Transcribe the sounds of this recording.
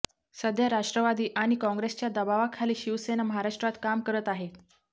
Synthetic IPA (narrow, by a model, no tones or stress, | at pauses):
səd̪ʱjaɾaʂʈɾəʋad̪iːʔaɽ̃ikɔ̃ŋɡɾest͡ɕjad̪əbaʋakʰaliːɕiʋsenaməɦaɾaʂʈɾat̪kamkəɾət̪aɦe